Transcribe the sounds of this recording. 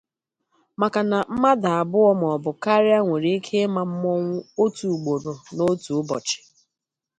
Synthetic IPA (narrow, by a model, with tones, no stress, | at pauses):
ma˨ka˨na˨m̩˦ma˦da˨a˨bʊ˦ɔ˦m˨ɔ˨bʊ˨ka˦ɾja˦ŋʷe˨ɾi˦i˦kʰe˦ma˨m̩˦mɔ˦ŋʷʊ˦o˦tu˨ɡ͡bo˨ɾo˨no˦tu˨ʊ˦bɔ˨t͡ʃɪ̥˨